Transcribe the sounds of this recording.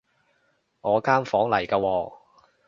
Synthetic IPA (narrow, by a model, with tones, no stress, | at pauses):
ŋɔː˨˧kaː˥mfɔː˨˥ŋlɐ˨˩jkaː˧wɔː˧